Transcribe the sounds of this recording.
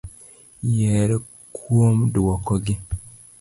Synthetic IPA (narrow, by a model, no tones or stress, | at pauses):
jɛɾe | kʰwomdwɔkɔɡi